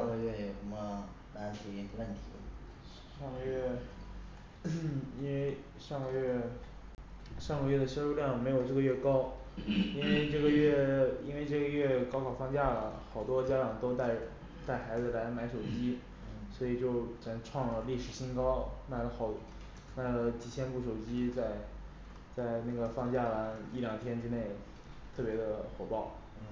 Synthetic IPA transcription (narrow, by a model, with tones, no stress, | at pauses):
ɑ˥˧ŋɡə˧ɥɛ˥˩jɛ˨˩ʂə˧˥mə˧ | na˧˥nʈ͡ʂu˧˥i˧˩ə˧wə˥˩nt̪ʰi˧˥ | ʂɑ˥˧ŋɡə˧ɥɛ˥˩ | i˥nwe˥˧ɪ | ʂɑ˥˧ŋɡə˩ɥɛ˥˩ | ʂɑ˥˧ŋɡə˧ɥɛ˥˩d̪ə˩ʂo˥ɻu˥˧ljɑ˥˩ŋ˨˩m˧˥ɪjo˨˩ʊʈ͡ʂɤ˥˩ɡə˩ɥɛ˥˩kɑ˥ʊ | i˥nwe˥˧ɪʈ͡ʂɤ˥˩ɡə˩ɥɛ˥˩ḭ˥nwe˥˧ɪʈ͡ʂɤ˥˩ɡə˩ɥɛ˥˩kɑ˥ʊkʰɑ˨˩ʊfʰɑ˥ŋt͡ɕja˥˩lə̰˩xɑ˨˩ʊt̪wɔ˥t͡ɕja˥ʈ͡ʂɑ˨˩ŋt̪o˥ʊt̪a˥˩ɪ | t̪a˥˩ɪxa˧˥ɪd͡zɹ̩˧la˧˥ɪma˧˥ɪʂo˨˩ʊt͡ɕi˥ | swɔ˧˥i˨˩t͡ɕjo˥˩ʊʈ͡ʂa˨˩nʈ͡ʂʰwɑ˥˩ŋlə˩li˥˩ʂɻ̩˨˩ɕi˥nkɑ˥ʊma˨˧˩ɪlə˧xɑ˨˩ʊ | ma˥˩ɪlə˦t͡ɕi˨˩t͡ɕʰjɛ˥npu˥˩ʂo˨˩ʊt͡ɕi˥t͡sa˥˧ɪ | t͡sa˥˧ɪna˥˩ɡə˩fɑ˥˧ŋt͡ɕja˥˩wa˧˥ni˥˩ljɑ˨˩ŋt̪ʰjɛ˥nʈ͡ʂɻ̩˥ne˥˩ɪ | t̪ʰɤ˥˩pjɛ˧˥d̪ə˧xwɔ˨˩pɑ˥˩ʊ˧